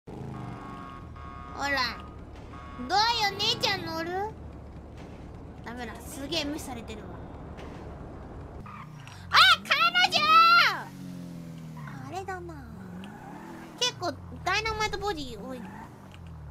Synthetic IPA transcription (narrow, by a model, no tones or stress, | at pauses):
ho̰ɾa | d̪oːjonet͡ɕanːoɾɯ | d̪aβeɾasɨɡe̞ːmesaɾe̞t̪e̞ɾɯ̟a | akʰaɾemad͡ʑa | ɾed̪ana | ke̞kːoː | d̪ainamaet̪oboɾioi